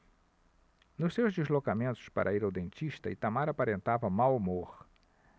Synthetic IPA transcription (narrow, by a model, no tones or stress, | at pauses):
nʊsewzd̪ezlokamẽnt̪ʊ̥spa̰ɾʔɐiɾawd̪ẽnt͡ʃiʃt̪ɐɪt̪amaɾapaɾẽnt̪avɐmawmoɾ